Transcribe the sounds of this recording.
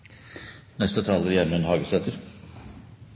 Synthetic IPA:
nɛst̪ət̪ʰɑːləɾjɛɾməɛnhɑːɡəsɛt̪ʰəɾ

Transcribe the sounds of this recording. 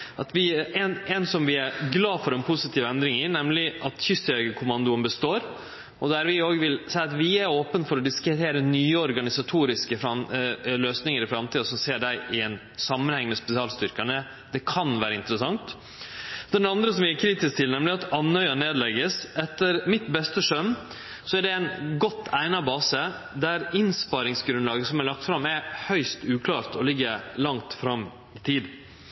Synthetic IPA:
ʔɑt̪ʋɪɛnɛnsɔmʋɪæɡlɑːfɔɾɛnpʰʊsɪt̪ʰiːʋɛnd̪ɾɪŋɪnɛmlɪʔɑt̪çʏst̪œɡəkʰʊmɑnd̪ʊənbəst̪oːɾ | ɔd̪æɾʋɪoːɡʋɪlsæɪɑt̪ʋɪæɾoːpənfɔɾɔd̪ɪskɾɪt̪ʰeːɾənyːəɔɾɡɑnɪsɑt̪ʰuːɾɪskəfɾɑløːsnɪŋəɾɪfɾɑmt̪ʰiːɑsɔmseːɖæɪʔɪɛn | sɑmːənhɛŋːmɛspɛsɪɑːlst̪ʏɾkəɳə | d̪̥ɛkʰɑnʋæːɾəɪnt̪əɾəsɑŋt̪ | d̪ɛnɑnd̪ɾəsɔmʋɪækʰɾiːt̪ɪsk̚t̪ʰɪlnɛmlɪɑt̪ɑnœʏɑneːd̪lɛɡːəsɛt̪ːəɾmɪt̪bɛst̪əʂœmː | sɔæɖɛæɪnɡɔt̪ʰːæɪnɑbɑːsə | d̪æɾɪnspɑɾɪŋsɡɾʉnlɑːɡəsɔmælɑk̚t̪fɾɑmːɛɾhœʏst̪ʉːkʰlɑːɾt̪ʰɔlɪɡːəɾlɑŋt̪fɾɑmː | ɪt̪ʰiːd̪

